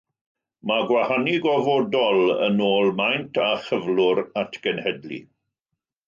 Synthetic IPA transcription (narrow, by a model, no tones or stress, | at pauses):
maɡwahanɪɡɔvɔdɔlˠə̰noːlˠmajntʰaχəvlʊɾatʰɡ̥ənhɛdlḭ